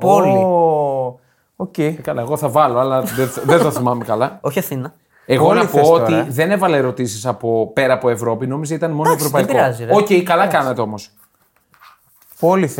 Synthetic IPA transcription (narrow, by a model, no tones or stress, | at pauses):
pol | ocejkɐlɐeɣo̞θɐvɐlo̞ɐlɐðeðet̪oθimɐmekɐlɐoçiɐθinɐ | e̞ɣolnɐpooiðe̞ne̞vɐleeɾo̞t̪isisɐpo̞pe̞ɾɐːpoe̞vɾo̞pino̞mizeit̪ɐnmo̞noevɾopɐikbɾɐziɾoceikɐlɐkɐnɐt̪e̞o̞mo̞s | poliθ